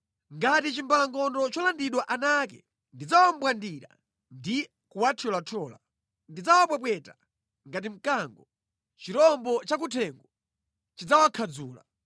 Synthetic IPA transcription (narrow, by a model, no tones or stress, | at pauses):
ŋɡatit͡ʃimbalaŋɡɔndɔt͡ʃɔlandiɗwaʔanakɛ | ndid͡zawam̩bwandiɾa̰ | ndi | kuwatʰiɔlatʰɔːla̰ | ndid͡zawap̬wɛpwɛta | ŋɡat̬im̩kaŋɡɔ | t͡ʃiɾɔmbɔt͡ʃak̬utʰɛŋɡɔ | t͡ʃid͡zawakʰad͡zṵːla